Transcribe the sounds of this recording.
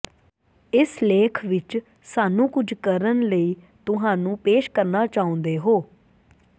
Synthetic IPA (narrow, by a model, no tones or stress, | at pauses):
ɪsleːkʰʋɪt͡ʃ | saːnũːkʊd͡ʒʱkəɾənləiː | t̪ʊɦãːnũːpeːʃkəɾnaːt͡ʃaːʊ̃nd̪eːɦoː